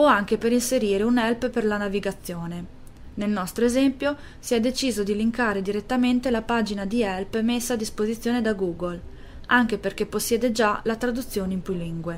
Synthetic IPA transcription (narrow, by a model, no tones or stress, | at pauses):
oaŋk̟epeɾinseɾiːɾeunɛlpperlanaviɡat̪sːjoːne | nelnɔst̪ɾoezɛmpjo | siɛd̪ːet͡ʃiːzod̪iliŋkaːɾed̪iɾet̪ːament̪elapaːd͡ʒinad̪iɛlpmesːaːd̪ːispozit̪sːjoːned̪aɡuːɡol | aŋk̟eperkepːosːjɛːd̪ed͡ʒalat̪ɾad̪ut̪sːjoːneimpɾuliŋɡwe